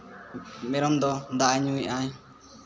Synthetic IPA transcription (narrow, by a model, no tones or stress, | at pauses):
mɛɾɔmd̪ɔd̪aʔaɲuĩʔaj